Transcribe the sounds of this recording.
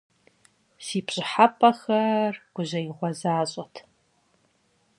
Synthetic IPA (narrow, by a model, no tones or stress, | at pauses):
siːpʰɕʼɪħapʼɐxɐrɡ̥ʷʊʒɐiʁʷɔzaːɕʼɔtʰ